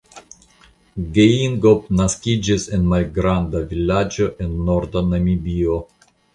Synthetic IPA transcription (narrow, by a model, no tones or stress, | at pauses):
ɡeiŋɡop̚naskʲid͡ʒise̞nmalɡɾandavilad͡ʒo̞ʔe̞nːoɾdanamibio